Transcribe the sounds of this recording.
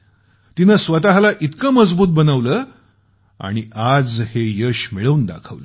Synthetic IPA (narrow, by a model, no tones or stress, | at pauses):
t̪inəsʋət̪aɦlaʔit̪kəməd͡zbuːt̪̚bənəʋləː | a̰ɽ̃iad͡zhejəɕmiɭəuːnd̪a̰kʰəʋlə